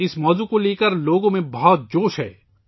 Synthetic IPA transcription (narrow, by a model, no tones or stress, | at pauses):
ɪsmɔːzukoleːkəɾloːɡõmẽbɐɦɔt̪̚d͡ʒoːʃɦɛ̰ː